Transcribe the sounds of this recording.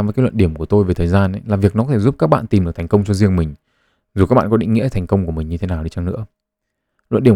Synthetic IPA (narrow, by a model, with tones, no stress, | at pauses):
vəː˨˦kːlə̰˧˨nɗi˧˩əmku˧˩ət̪o˧jve˨˩t̪ʰəː˨˩jzaː˧n˦laː˨˩vi˨˩ək̚nɔ˨˦kɔ˦e˧˩zu˦˥p̚kaː˦˥k̚ɓa̰ː˧˨nt̪i˨˩mɗk̚t̪ʰŋ̟kə˧wŋ͡mt͡ɕɔ˧zi˧əŋmï˨˩ŋ̟ | zu˨˩ka˦˥ɓa̰ː˧˨˩kɔ˦ḭ̈˧˥ŋŋḭ˧˥ə˨t̪ʰjŋ̟kə˧wŋ͡mku˧˩əmï˨˩ŋ̟ɲɨ˧t̪ʰe˨˦naː˨˩wɗi˧t͡ɕa˧ŋnɨ̰˧˥ə | lə̰˧˨nɗi˧˩ə˨